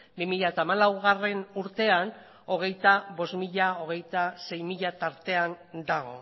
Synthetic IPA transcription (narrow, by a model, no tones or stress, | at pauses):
bimiʎat̪aːmalawɣare̞nuɾt̪e̞an | o̞ɣ̞e̞jt̪aβo̞zmiʎao̞ɣ̞e̞jt̪ase̞jmiʎat̪aɾt̪e̞and̪aɣ̞o̞̰